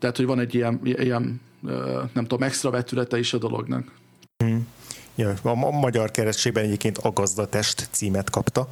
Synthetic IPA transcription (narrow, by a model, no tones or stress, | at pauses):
t̪ɛɦat̪ho̞ɟvɒnɛɟːijɛniijɛnøːnɛmt̪oomɛkst̪rɒvɛt̪ylɛt̪ɛiʃɒd̪o̞lʔo̰ɡnɒ̰k̩ | jɒɒɒmɒɟɒrkɛɾɛʃt͡ʃeːɡ̚bɛnɛɟeːpkeːnt̪ɒɡɒzd̪ɒt̪ɛʃt̪t̪siːmɛt̪kɒpt̪ɒ